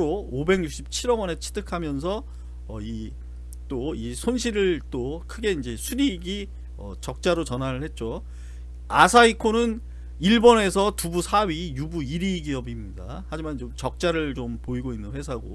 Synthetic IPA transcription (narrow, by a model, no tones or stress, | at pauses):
ɾoobe̞ŋjuk̚ɕ͈ip̚t͡ɕʰiɾʌɡwʌne̞t͡ɕʰi̥tʰɯkʰamjʌnsʰʌ | ʌi | t͈oisʰonɕʰiɾɯɭt͈okʰɯɡe̞ind͡ʑe̞sʰuɾiɡi | ʌ̰t͡ɕʌk̚t͡ɕ͈aɾot͡ɕʌnɦaɾɯɭhe̞t̚t͡ɕ͈o | asʰaikʰonɯn | iɭbone̞sʰʌtubusʰaɥijubuiɾiɡiʌbimɲida̰ | had͡ʑimant͡ɕomt͡ɕʌk̚t͡ɕ͈aɾɯɭt͡ɕompoiɡoinːɯnɸwe̞sʰaɡo̰